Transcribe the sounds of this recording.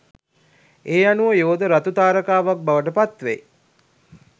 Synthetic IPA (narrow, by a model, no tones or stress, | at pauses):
eːanuəjoːd̪əɾat̪ut̪aːɾəkaːʋak̚baʋəʈəpat̪ʋḛ